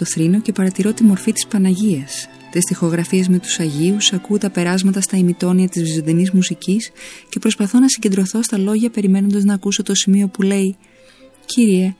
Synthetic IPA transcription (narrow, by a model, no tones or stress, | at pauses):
t̪o̞θɾino̞ce̞pɐɾɐt̪iɾo̞t̪imo̞ɾfit̪i̥spɐnɐʝiɐs | t̪ist̪ixo̞ɣɾɐfiezme̞t̪u̥sɐʝiusɐkut̪ɐpe̞ɾɐzmɐt̪ɐst̪ɐimit̪o̞niɐt̪izvizond̪inizmusicisce̞pɾo̞spɐθo̞nɐsiɲɟend̪ɾo̞θo̞st̪ɐlo̞ʝɐpe̞ɾime̞no̞nd̪ɐznɐːkusot̪o̞simio̞pule̞i | cʰiɾie̞